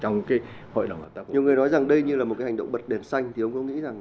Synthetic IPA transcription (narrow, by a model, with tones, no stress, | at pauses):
t͡ɕɔ˧wŋ͡mkaː˨˦j | ho̰˧˨ɗə˨˩ŋ͡mht̪aː˧˩ɲ˨˩˨wŋɨ˨˩əjnɔ˨˦jza˨˩ŋɗə˧jɲɨ˧laː˨˩m̚˨˩kaː˨˦ɦŋ̟ɗə̰˧˨wŋ͡mɓə˨˩t̚ɗe˨˩nsa˧jŋ̟t̪ʰi˨˩ʔə˧wŋ͡mkʊ̰˧˥ŋḭ˧˥za˨˩ŋ